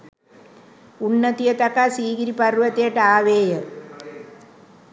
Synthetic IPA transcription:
unːət̪ijət̪akasiːɡiɾipɐrʋət̪ejəʈəaːʋeːjə

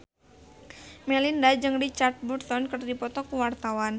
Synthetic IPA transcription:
mɛlindad͡ʒɨŋrit͡ʃart̪̚bursɔnkərdipɔt̪ɔkuwart̪awan

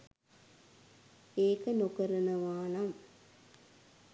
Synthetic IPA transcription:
eːkɐnokɐɾɐnɐʋaːnɐm

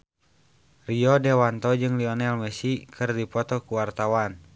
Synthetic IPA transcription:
riɔdɛwant̪ɔd͡ʒɨŋliɔnɛlmɛsikʰɨrdipɔt̪ɔkuwart̪awan

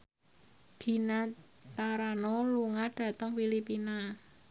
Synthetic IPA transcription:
d̪̥i̤nat̪aɾanoluŋaɖ̥ä̤t̪əŋfilipina

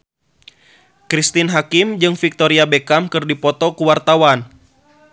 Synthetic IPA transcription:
kɾist̪inɦakimd͡ʒɨŋfik̚t̪oɾiabekamkɨrdipɔt̪ɔkuwart̪awan

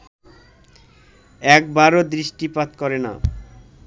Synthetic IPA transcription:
ɛk̚baɾod̪ɾiʃʈipat̪kɔɾena̰

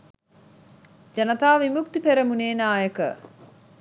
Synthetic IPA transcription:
d͡ʒɐnət̪aːʋimuk̚t̪ipeɾəmuneːnaːjəkə̰

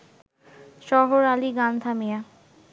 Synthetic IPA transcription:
ʃɔɦoɾaliɡant̪ʰamija

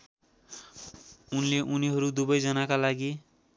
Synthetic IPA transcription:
unleʔuniɦʌɾud̪ubʌjd͡zʌnakalaɡi

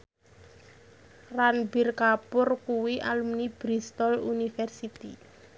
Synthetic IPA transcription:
ranbirkapʊrkuwiʔalumnib̥ɾist̪ɔlunifɛrsit̪i

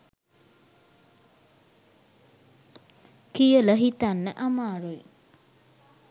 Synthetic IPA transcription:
kijələɦit̪anːəʔamaːɾul

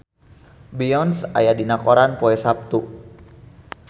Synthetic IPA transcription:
biɔnsa̰jadinakɔɾanpɔɛsap̚t̪u

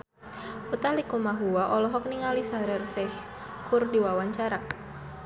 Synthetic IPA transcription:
ut̪alikumaɦuwaʔɔlɔɦɔk̚niŋalisaɾɛrsɛh | kurdiwawaɲt͡ʃaɾa

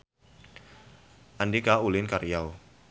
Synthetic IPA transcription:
ʔandikaulɪnkaɾijaw

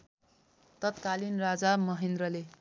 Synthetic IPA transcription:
t̪ʌt̪kalinrad͡zamʌɦend̪rʌle

